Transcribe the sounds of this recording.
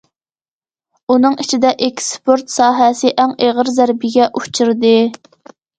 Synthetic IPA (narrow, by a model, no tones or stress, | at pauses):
unɨŋit͡ʃʰid̪ɛʔekʲspoɾt̪sɑːɦɛsɪʔæŋeʁəɾzæɾbɪɡʲɛʔut͡ʃʰuɾd̪ɨ